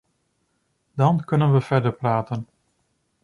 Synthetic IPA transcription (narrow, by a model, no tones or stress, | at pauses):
dɑnkɵnənʋəvɛɹdəɹpraːtən